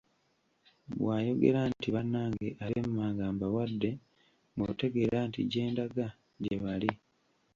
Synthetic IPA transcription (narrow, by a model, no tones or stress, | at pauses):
βwaːjo̞ɡe̞̰ɾantiβanːaːŋɡe̞ʔaɾemumaːŋɡaːmbawadːe̞ | ŋɡote̞ɡe̞ɾaːntiɟe̞ːndaɡa | ɟe̞βali